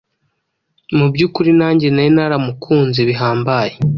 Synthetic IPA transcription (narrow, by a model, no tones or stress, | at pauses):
mubɟuːkuɾinaːɲɟenajenaɾamukʰuːnziβiɦaːmbaje